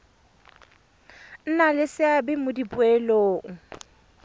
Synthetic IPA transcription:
n̩nalɪsɪabɪmʊdipʊɛloːŋ̩

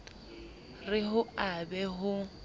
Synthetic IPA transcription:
rɪɦʊabɛɦʊ

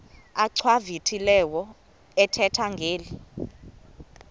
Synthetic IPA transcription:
aǀʰwavitʰilɛwɔ | ɛtʰɛtʰaŋɡʱeːli

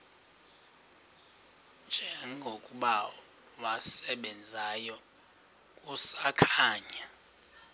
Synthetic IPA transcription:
nd͡ʒʱɛŋɡʱokʼuɓa | wasɛɓɛnd͡zʱajɔ | kʼusakʰaːɲa

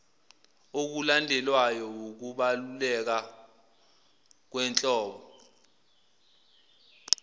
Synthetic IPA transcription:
ok̬ulandʱɛlwajɔwok̬uɓalulɛk̬a | k̬wɛnt͡ɬʼɔːɓɔ

